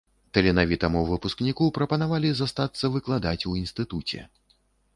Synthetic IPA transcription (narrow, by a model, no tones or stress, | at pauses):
t̪ɐlʲɛnavʲit̪ɐmuvɨpusknʲikupɾɐpɐnavalʲizast̪at̪sːɐvɨklˠad̪at͡sʲuinst̪ɨt̪ut͡sʲɛ̰